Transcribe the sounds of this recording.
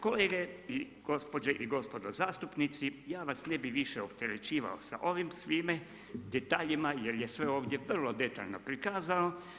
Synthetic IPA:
ko̞leːɡei | ɡ̥o̞spo̞d͡ʒeʔiɡo̞spo̞d̪ozaːst̪upnit̪sijaːʋasnebiʋiʃeopt̪eɾet͡ɕiːʋa̰o̰sa̰ʔo̞ʋimsʋiːme | d̪et̪aːʎimajeɾjesʋe̞oːʋd̪je̞ʋr̩lˠod̪e̞t̪a̰ʎnopɾikaːzao

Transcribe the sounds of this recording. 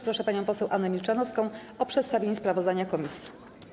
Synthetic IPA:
pɾɔʂɛpaɲɔ̃w̃pɔsɛwʔanːɛmʲilt͡ʂanɔfskɔ̃w̃ | ɔpʂɛt̪st̪avʲjeɲɛspɾavɔzd̪aɲakɔmʲisʲji̥

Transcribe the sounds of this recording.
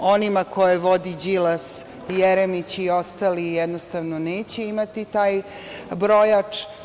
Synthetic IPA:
o̞nimakʰo̞jeʋo̞d̪id͡ʑilas | jɛɾemit͡ɕio̞st̪aːlijɛd̪nost̪aʋnoneːt͡ɕeimat̪it̪aːj | bɾo̞jat͡ʂ

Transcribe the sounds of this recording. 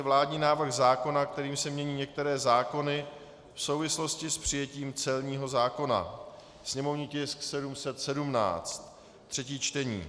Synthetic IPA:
ɛvlaːdɲiːnaːvr̩xzaːko̞nakt̪ɛɾiːmsɛmɲɛɲiːɲɛk̚t̪ɛɾɛːzaːko̞nɪ | fso̞wvɪslo̞scɪspr̝̥ɪjɛciːmt͡sɛlɲiːɦo̞zaːko̞na̰ | sɲɛmo̞vɲiːcɪsksɛdumsɛt̪sɛdumna̰ːt͡st̪ː | r̝̥ɛciːt͡ʃt̪ɛɲḭː

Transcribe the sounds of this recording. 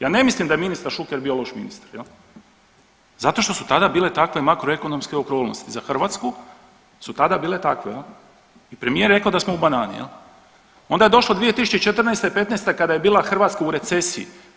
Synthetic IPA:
jaːne̞mislimd̪ajeminist̪aɾʃukeɾbioloʃmḭnist̪ḁɾjel | zat̪o̞ʃt̪o̞sut̪ad̪abiːle̞t̪akʋe̞makɾoe̞ko̞nomskeokɾoːlno̰st̪izaxr̩ʋat̪sku | sut̪ad̪abiːle̞t̪akʋejel | ipɾe̞mijeɾe̞kaod̪asmoubanaːnḭjḛl | ond̪aje̞d̪o̞ʃlˠod̪ʋije̞t̪isu̥t͡ɕet͡ʃet̪r̩nest̪epe̞t̪nejst̪ekad̪aje̞biːlˠaxr̩ʋaːt̪skauɾe̞t̪sesiḭ

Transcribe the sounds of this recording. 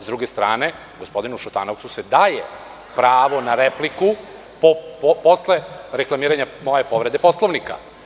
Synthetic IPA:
zd̪ɾuɡe̞st̪ɾa̰ːne̞ | ɡospo̞d̪inuʃut̪a̰no̞ʋt̪suse̞d̪ajḛ | pɾaːʋo̞naɾepliku | popo̞sleɾeklˠamiːɾaɲamo̞je̞po̞ʋɾe̞d̪epo̞slˠoʋnika̰

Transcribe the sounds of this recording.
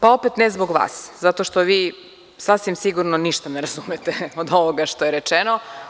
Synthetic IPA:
pao̞pet̪nezboɡʋa̰ːszat̪oʃt̪oʋiː | sasʋimsiɡuɾnoniʃt̪aneɾazumet̪eod̪o̞ʋoɡaʃt̪o̞jeɾet͡ʃeno̞

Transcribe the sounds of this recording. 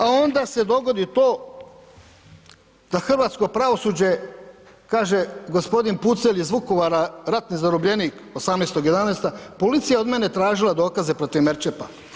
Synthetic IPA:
ao̞nd̪ase̞d̪o̞ɡo̞d̪it̪o̞ː | d̪̥axr̩ʋaːt̪sko̞pɾaʋo̞sud͡ʑe̞ | kaːʒe̞ɡo̞spo̞d̪input̪selizʋuko̞ʋaɾaɾat̪nizaɾobʎe̞niːk | osamnest̪o̞ɡje̞d̪aneːst̪apo̞lit̪sijao̞d̪mene̞t̪ɾaːʒilˠad̪o̞ːkaze̞pɾo̞t̪iʋmeɾt͡ʃepa

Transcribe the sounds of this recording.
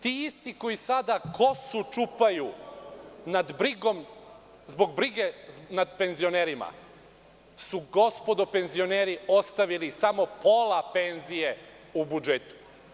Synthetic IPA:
t̪iːist̪iko̞jisad̪akʰo̞sut͡ʃupaju | nad̪bɾiɡo̞m | zbo̞ɡ̚bɾiɡenad̪pe̞nzio̞neːɾima̰ | suɡo̞spo̞d̪ope̞nzio̞neːɾio̞st̪aʋilisamo̞po̞lˠape̞nzije̞ | ubud͡ʒet̪u̥

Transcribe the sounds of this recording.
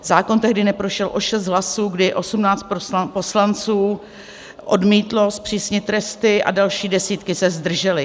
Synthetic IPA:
zaːko̞nt̪ɛɦdɪnɛpɾoʃɛlʔo̞ʃɛst̪̚ɦlasuːɡdɪʔo̞sumnaːt͡st̪ppo̞slant͡suː | ʔodmiːt̪lo̞spr̥iːsɲɪt̪ːɾɛst̪ɪʔa̰dalʃiːdɛsiːt̪kɪsɛzd̪r̩ʒɛlɪ

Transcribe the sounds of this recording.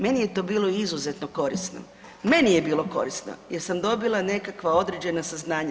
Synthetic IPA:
me̞nijet̪o̞ːbiːlˠo̞izuze̞t̪noko̞ɾisno̰ | me̞nije̞biːlˠo̞ko̞̰ɾisno̰jeɾsamd̪o̞bilˠane̞kakʋao̞d̪ɾed͡ʑe̞nasaznaːɲa

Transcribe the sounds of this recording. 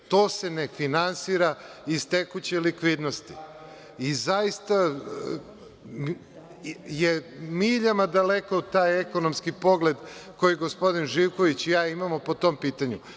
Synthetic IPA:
t̪oːse̞ne̞finansiɾaizt̪e̞kut͡ɕelikʋid̪nost̪i̥ | izajist̪a | m | jemiʎamad̪alekot̪aːjekono̞mskipo̞ɡle̞d̪ko̞jiɡospo̞d̪inʒiwko̞ʋit͡ɕjaːimamopo̞t̪o̞mpiːt̪aɲu

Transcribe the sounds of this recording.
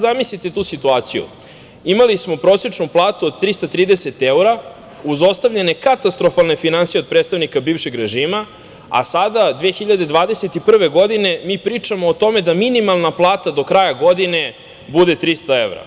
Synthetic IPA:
zamislit̪et̪uːsit̪uaːt̪sijṵ | imalismo̞pɾo̞set͡ʂnuplˠaːt̪uod̪̚t̪ɾist̪at̪ɾiːd̪ese̞t̪euɾa | uzo̞st̪avʎe̞ne̞kat̪ast̪ɾo̞falˠnefinansije̞d̪̚pɾet̪st̪avnikabiːʋʃe̞ɡɾe̞ʒiːma | a̰sad̪ad̪ʋeːxiʎad̪e̞d̪ʋaːd̪eset̪ipr̩ʋe̞ɡo̞d̪ine̞miːpɾiːt͡ʂamoːt̪o̞me̞d̪aminimalˠnaplˠaːt̪ad̪o̞kɾajaɡo̞d̪ine̞ | bud̪e̞t̪ɾist̪ae̞ʋɾa̰

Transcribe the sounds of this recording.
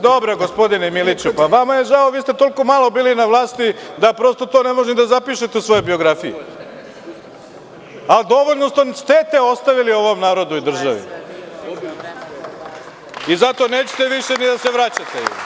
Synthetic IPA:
d̪obɾaɡospo̞d̪inemilit͡ʃupaʋamaje̞ʒaoʋiːst̪et̪o̞liko̞malo̞biːlinaʋlˠaːst̪id̪apɾo̞st̪o̞t̪oːnemo̞ʒnid̪azapiʃet̪eusʋo̞jojbio̞ɡɾafiji | ald̪o̞ʋoʎʲnosonst̪et̪eo̞st̪aʋilio̞ʋo̞mnaːɾo̞d̪uid̪r̩ʒaʋḭ | izat̪o̞neːt͡ɕe̥t̪eʋiʃenid̪aseʋɾat͡ɕat̪e

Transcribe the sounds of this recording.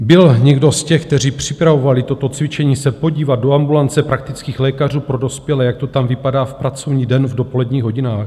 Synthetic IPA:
bɪlɲɛɡdo̞scɛxk̚t̪ɛr̝iːpr̝̥ɪpɾavo̞valɪt̪o̞t̪o̞t͡svɪt͡ʃɛɲiːsɛpo̞ɟiːvad̪̚do̞ambulant͡sɛpɾak̚t̪ɪt͡skiːxlɛːkar̝uːpɾo̞do̞spjɛlɛjak̚t̪o̞t̪amvɪpadaːfpɾat͡so̞vɲiːdɛnvdo̞po̞lɛdɲiːɣɦo̞ɟinaːx

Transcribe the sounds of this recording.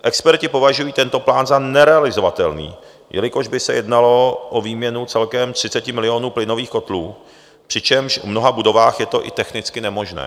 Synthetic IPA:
ʔɛkspɛɾcɪpo̞vaʒujiːt̪ɛnt̪o̞plaːnzanɛɾɛalɪzo̞vat̪ɛlnḭː | jɛ̰lɪko̞ʒbɪsɛjɛdnalo̞ʔoviːmɲɛnutt͡sɛlkɛmt̪r̝̥ɪt͡sɛcɪmɪlɪo̞nuːplɪno̞viːxko̞t̪luː | pr̥ɪt͡ʃɛmʃvmno̞ɦabudo̞vaːxjɛt̪o̞ʔɪ̰t̪ɛxnɪt͡skɪnɛmo̞ʒnɛ̰ː

